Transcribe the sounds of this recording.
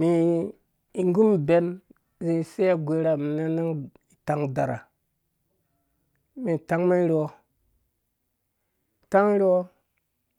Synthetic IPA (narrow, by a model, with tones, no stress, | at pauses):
mi˨ | i˨ŋɡu˦mbe˨˦n | zi˨se˦a˦ɡʷe˨˦ɾa˨mi˨na˦na˦ŋ | i˨ta˨ŋda˨ɾa̰˨ | mi˨ta˨˦ŋme˦ɾwo˦ | i˨ta˦ŋ˦ɾi˦wo˦